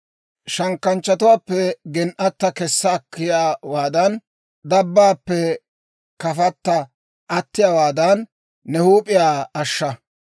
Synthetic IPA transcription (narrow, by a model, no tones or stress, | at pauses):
ʃɐŋkːɐnt͡ʃːɐt̪ʊwaːpːɛɡɛnʔɐt̪ːɐkɛsːɐːkːɪjaːwaːd̪ɐn | d̪ɐbːaːpːɛ | kɐfɐt̪ːɐ | ʔɐt̪ːɪjaːwaːd̪ɐnː | ɛhuːpʼɪjaːɐʃːɐ